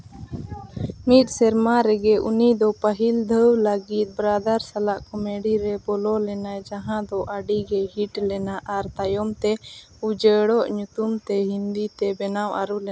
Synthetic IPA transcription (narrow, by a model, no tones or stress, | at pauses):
mit̪̚sɛɾmaɾɛɡɛʔunid̪ɔpəɦild̪ʱəwlaɡit̪̚bɾad̪aɾsalaʔkɔmeɽiɾɛbɔlɔlɛnajd͡ʒaɦãd̪ɔʔaɖiɡɛɦiʈlɛnaʔaɾt̪ajɔmt̪ɛ | ud͡ʒəɽɔʔɲut̪umt̪ɛɦind̪it̪ɛbɛnawʔaɾulɛ